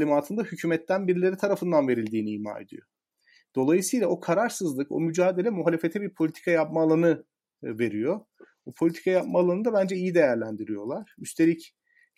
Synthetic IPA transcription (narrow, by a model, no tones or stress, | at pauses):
lʲimaːt̪ʰɯnd̪ahycʰyːmɛt̪ːænbiɾilʲe̞ɾit̪ʰaɾafɯnd̪anve̞ɾilʲd̪iːniːhma̰ːe̞̰d̪ḭjo | d̪̥o̞lˠajɯsɯjlˠao̞kʰaɾaɾsɯzlˠɯko̞̰myd͡ʒaːd̪e̞lʲɛmuɦalʲefe̞t̪ʰɛbiɾpʰolʲit̪ʰi̥kʰajap̚maːlˠanɯ | ve̞ɾijo̞ | bupʰo̞lʲit̪ʰi̥kʰajap̚maːlˠanɯd̪abænd͡ʒɛijid̪e̞jæɾlʲænd̪iɾijo̞lˠaɾ̥yst̪ʰe̞lʲic